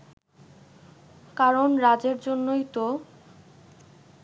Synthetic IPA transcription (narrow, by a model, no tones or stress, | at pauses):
kaɾonɾad͡ʑeɾd͡ʑonːojt̪o